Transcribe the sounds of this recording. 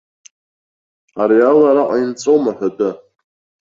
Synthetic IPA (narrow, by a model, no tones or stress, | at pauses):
aɾialaɾaqʷʼaint͡sʼowmaħʷᶣadɨ